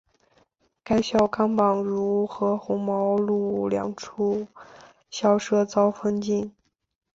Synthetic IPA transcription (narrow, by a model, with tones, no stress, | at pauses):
ka˥ɪɕjɑ˥˩ʊkɑ˥ŋpɑ˨˩ŋɻu˧˥xɤ˧˥xʊ˧˥ŋmɑ˧˥ʊlu˥˩ljɑ̰˨˩ŋʈ͡ʂʰu˥˩ | ɕjɑ˥˩ʊʂɤ˥t͡sɑ˥ʊfə˥nt͡ɕi˥˩n